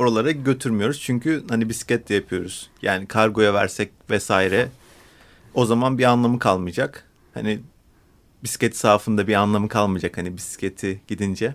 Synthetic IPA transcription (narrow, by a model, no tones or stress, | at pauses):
oɾalˠaɾaɟø̞t̪ʰyɾmijo̞ɾuz̥t͡ʃʰyɲcyhanibisi̥cɛt̪ʰlʲɛjapʰɯjo̞ɾuz̥jaːnikʰaɾɡo̞javæ̰ɾsɛc̚vɛsaːiɾɛ | o̞zamanbianlˠamɯkʰalˠmɯd͡ʒak | ha̰ni | bisi̥cet̪ʰi̥saːfɯnd̪abianlˠamɯkʰalˠmɯd͡ʒakhanibisi̥cʰet̪ʰiɟ̥id̪ind͡ʒɛ